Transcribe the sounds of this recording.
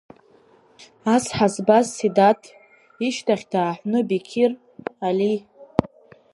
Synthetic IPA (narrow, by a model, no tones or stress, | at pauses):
asħazbazsidatʰ | iʃtʰaχʲdaːħʷnɨbikʲʰir | ali